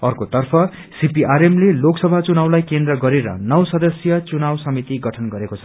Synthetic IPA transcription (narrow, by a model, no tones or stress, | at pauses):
ʌrkot̪ʌrpʰʌ | sipiʔaɾemleloksʌbʱat͡sunawlajkend̪rʌɡʌɾeɾʌ̰nʌwsʌd̪ʌsjʌt͡sunawsʌmit̪iɡʌʈʰʌnɡʌɾekot͡sʰʌ